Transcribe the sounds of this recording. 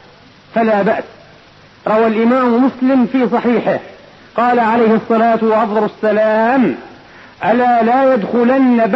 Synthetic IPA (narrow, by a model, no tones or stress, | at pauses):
falaːbaʔs | ɾˤɑwalʔɪmaːmmʊslɪmfiːs̬ˤɑħiːħɪh | qɑːlaʕalajhɑsˤːɑlaːt̪waʔɑfd̪ˤɑlasːalaːm | ʔalaːlaːjad̪xʊlanːab